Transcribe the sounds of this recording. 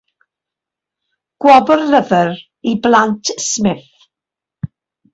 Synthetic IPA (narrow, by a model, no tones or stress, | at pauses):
ɡ̥wɔbərləvər | iblˠantʰsmɪθ